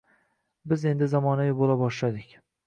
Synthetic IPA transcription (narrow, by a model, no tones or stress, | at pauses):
bɪze̞nd̪ɪzamɒnajɪbolabɒʃlad̪ɪkʲ